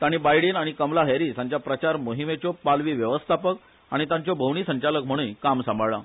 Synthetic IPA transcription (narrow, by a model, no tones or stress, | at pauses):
t̪aɽ̃iːbajɽiːnaɽ̃ikəmlaɦeɾiːsãɲt͡ɕjapɾət͡ɕaɾmoɦimet͡ɕɔpalʋiːʋjəʋəst̪ʰapək | aɽ̃it̪ãɲt͡ɕjɔbʱəwɳ̃iːsə̃ɲt͡ɕalək̚m̤əɽ̃ũjkamsãmbʱəɭa